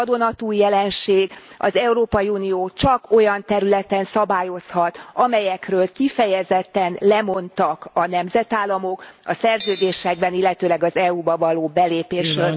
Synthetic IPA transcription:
d̪o̞nɒt̪uːjɛlɛnʃeːɡɒ̰zɛuɾoːpɒjiunijoːt͡ʃɒko̞jɒnt̪ɛɾylɛt̪ɛnsɒbaːjo̞shɒt̪ɒmɛjɛkrøːlkifɛjɛzɛt̪ːɛnlɛmo̞nt̪ɒkɒnɛmzɛt̪aːlːɒmo̞kɒsɛrzøːd̪eːʃɛɡ̚bɛnilːɛt̪øːlɛɡɒzɛuːbɒvɒloːbɛleːpeːʃrø

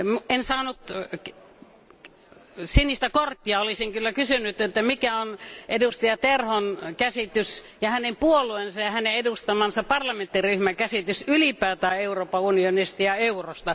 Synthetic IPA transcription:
mensɑːnut̪ | sinːist̪ækort̪ːiɑolisiŋkylːækysynyt̪et̪ːæmikæonʔedust̪ijɑt̪erhonkæsit̪ys | jɑhænempuoluensɑjɑhæneedust̪ɑmɑnsɑppɑrlɑmẽnt̪ːiryhmæŋkæsit̪ysylipæːt̪æːeuroːpːɑunionist̪ɑjɑeurost̪ɑ

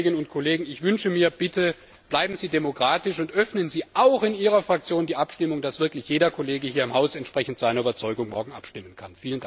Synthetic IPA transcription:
ɡɪnənʊntkʰoleːɡŋ̩ɪçv̥ʏnʃəmiːɐb̥ɪtʰə | b̥laɪbm̩ziːdemokʁ̥aːtɪʃʊntʔœfnənziːʔaʊxɪniːʁ̞ɐfʁ̥ak̚t͡sjoːndiːʔapʃtɪmʊŋd̥asv̥ɪɐklɪçjeːdɐkʰoleːɡəhiːɐɪmhaʊsɛntʃpʁ̥ɛçn̩tz̥aɪnɐyːbɐt͡sɔʏɡʊŋmɔɐɡŋ̩ʔa̰pʃtɪmənkʰanfiːləna

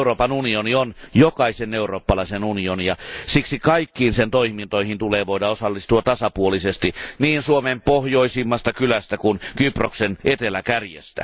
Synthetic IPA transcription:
uroːpɑnunionionjokɑiseneuroːpːɑlɑisenunionijɑsiksikɑikːiːnsent̪oihmint̪oihint̪uleːʋoiɾɑosɑlːist̪uɑtt̪ɑsɑpuolisest̪iniːnsuomempohjoisimːɑst̪ɑkylæst̪ækunkyproksenʔet̪elækærjḛst̪æ̰

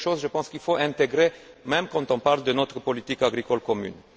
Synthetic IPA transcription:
ʃozʒəpɑ̃skilfoʔɛ̃t̪eɡʁemɛmkɑ̃t̪ɔ̃paʁld̪ənɔt̪χəpɔlit̪ikaɡʁikɔlkɔmy̰n

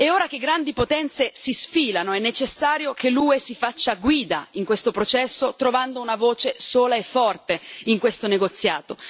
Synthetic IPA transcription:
eoːɾak̟eɡːɾand̪ipot̪ɛnt̪sesisfiːlanoɛnːet͡ʃesːaːɾjokʰeluːesifat͡ʃːaɡwiːd̪a̰iŋkwest̪opɾot͡ʃɛsːot̪ɾovand̪ounavoːt͡ʃesoːlaefːɔrt̪eiŋkwest̪oneɡot̪sːjaːt̪o

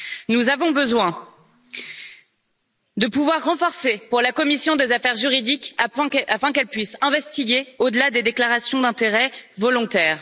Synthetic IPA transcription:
nuzavɔ̃bəzwɛ̃ | d̪əpuvwaʁːɑ̃fɔʁsepuʁlakɔmisjɔ̃d̪ezafɛʁʒyʁid̪ikafɛ̃kɛlpɥisɛ̃vɛst̪iɡʲeod̪əlad̪ed̪eklaʁasjɔ̃d̪ɛ̃t̪eʁɛvɔlɔ̃t̪ɛːʁ

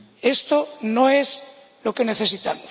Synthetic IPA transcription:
est̪onoez | lokeneθesit̪amo

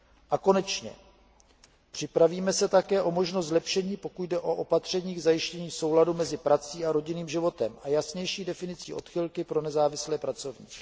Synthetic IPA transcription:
ʔako̞nɛt͡ʃɲɛ̰ | pr̝̥ɪpɾaviːmɛsɛt̪akɛːʔo̞mo̞ʒnost̪zlɛpʃɛɲiːpo̞kuɟdɛʔo̞ʔo̞pat̪r̝̥ɛɲiːɡzajɪʃcɛɲiːso̞wladumɛzɪpɾat͡siːaɾoɟɪniːmʒɪvo̞t̪ɛmʔajasɲɛjʃiːdɛfɪnɪt͡sḭːʔo̞t̪xɪlkɪpɾo̞nɛzaːvɪslɛːpɾat͡so̞vɲḭː

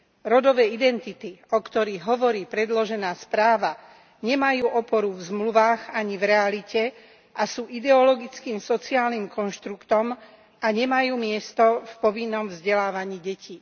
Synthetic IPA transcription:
ɾɔd̪ɔʋɛːid̪ɛnt̪it̪iɔkt̪ɔɾiɣɦɔʋɔɾiːpɾɛd̪lɔʒɛnaːspɾaːʋa | ɲɛmajuːʔɔpɔɾuvzmluʋaːɣaɲivɾɛalicɛ | asuːʔid̪ɛɔlɔɡit͡skiːmsɔt͡siaːlnimkɔnʃt̪ɾukt̪ɔm | aɲɛmajuːmɪɛst̪ɔfpɔʋinːɔmvzɟɛlaːʋaɲiːɟɛciː

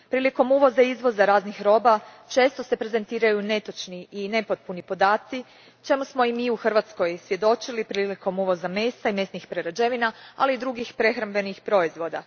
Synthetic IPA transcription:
pɾiːliko̞muʋo̞zaizʋo̞zaɾaːznixɾo̞ːba | t͡ʃe̞ːst̪o̞se̞pɾe̞ze̞nt̪iːɾajune̞t̪ot͡ʃniʔine̞pot̪̚punipo̞d̪aːt̪si | t͡ʃe̞musmo̞imiuxr̩ʋat̪sko̞jsʋje̞d̪o̞t͡ʃilipɾiːliko̞muʋo̞zame̞ːst̪aime̞snixpɾeɾad͡ʒe̞ʋinaa̰liːd̪ɾuɡixpɾe̞xɾambe̞nixpɾo̞izʋo̞d̪a

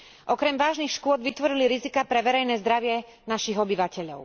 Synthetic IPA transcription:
ʔɔkɾɛmʋaːʒnixʃkʊɔd̪ʋit̪ʋɔɾiliɾizikapɾɛʋɛɾɛjnɛːzd̪ɾaʋɪɛ | naʃiɣɔbiʋacɛʎɔ̰ʊ

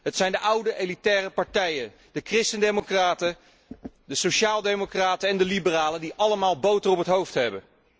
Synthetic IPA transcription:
ɦətsɛjndəʔʌwdəʔejlitɛːrəpɑɹtɛjə | dəkrɪstəndejmokraːtə | dəsoʃaːlˠdemokraːtəɛndəlibəraːləndiʔɑləmaːlˠbowtərɔpətɦowftɦɛbə̰n

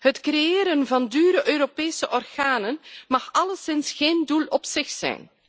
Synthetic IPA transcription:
hətkrejeːɾənvɑndyːɾəʔøːɾopeːsəʔɔrɣaːnənmɑxɑləsɪnsxeːndulɔpsɪxsɛ̰jn

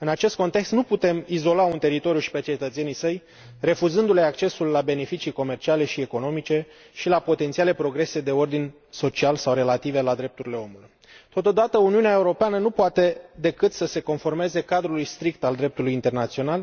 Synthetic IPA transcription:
ɨnat͡ʃe̞st̪̚ko̞nt̪ekst̪nuput̪e̞mizo̞launt̪e̞ɾit̪o̞ɾjuʃi̥pe̞t͡ʃe̞t̪ət̪se̞nijsəj | re̞fuzɨnd̪ule̞akt͡ʃe̞sulːabe̞ne̞fit͡ʃijko̞me̞rt͡ʃiale̞ʃie̞ko̞no̞mit͡ʃe̞ | ʃilapo̞t̪ent̪siale̞pɾo̞ɡɾe̞se̞d̪e̞o̞rd̪inʲ | so̞t͡ʃialsawre̞lat̪ive̞lad̪ɾe̞p̚t̪uɾile̞o̞muluj | t̪o̞t̪o̞d̪at̪əuniuneaeuɾo̞peanənupoat̪e̞d̪e̞kɨt̪səse̞ko̞nfo̞rme̞ze̞kad̪ɾulujst̪ɾik̚t̪ald̪ɾe̞p̚t̪ulujint̪e̞rnat̪sio̞nal

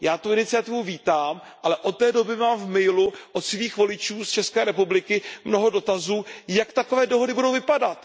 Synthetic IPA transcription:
jaːt̪uɪnɪt͡sɪjat̪ɪvuviːt̪aːm | ʔalɛʔot̪ːɛːdo̞bɪmaːmvmɛjluʔot̪sviːxvo̞lɪt͡ʃuːst͡ʃɛskɛːɾɛpublɪkɪmno̞ɦo̞do̞t̪azuːjakt̪ako̞vɛːdoɦo̞dɪbudowvɪpadat̪

